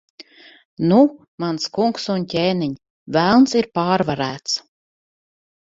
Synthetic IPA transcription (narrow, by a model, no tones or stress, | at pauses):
nu | manskuŋksuncʲɛːniɲ | vælˠnsiɾpaːɾvaɾæːt̪s